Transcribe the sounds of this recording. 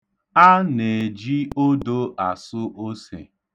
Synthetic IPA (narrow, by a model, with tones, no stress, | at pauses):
a˦ne˨d͡ʒi˦o˦do˦ʔa˨sʊ˦ʔo˦sḛ˨